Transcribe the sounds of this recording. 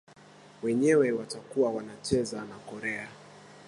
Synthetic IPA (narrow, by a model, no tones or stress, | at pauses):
wɛɲɛwɛwatakuawanat͡ʃɛzanakɔɾɛa